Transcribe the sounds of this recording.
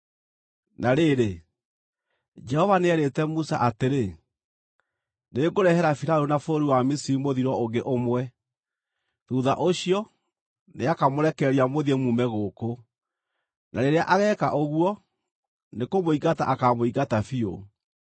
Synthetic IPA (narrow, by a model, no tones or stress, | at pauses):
naɾeɾe | d͡ʒɛhɔvaneɛɾetɛmusa̰ʔateɾe | neɡoɾɛhɛɾafiɾaɾonafoɾiwamisiɾimoðiɾɔoŋɡeʔomwɛ | ðuːðaʔoɕiɔ | neakamoɾɛkɛɾiamoðiemumɛɣoːko | nʔaɾeɾeaʔaɣɛːkaʔoɣwɔ | nekomoiɣata̰ʔakamoiɣatafio̰